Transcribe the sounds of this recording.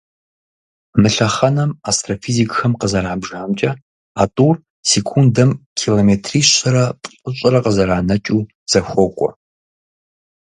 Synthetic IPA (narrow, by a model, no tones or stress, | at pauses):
mɨɬɐχɐnɐmastʰrofiːzikʼxɐmqəzɐraːbʒaːmt͡ʃʼɐ | aːtʼuːr | seːkʰundɐmkʲʰiloːmeːtʰriːɕɐɾɐpʼəɕʼɐrɐqəzɐraːnɐt͡ʃʼuː | z̥ɐxʷɔkʷʼɔ̰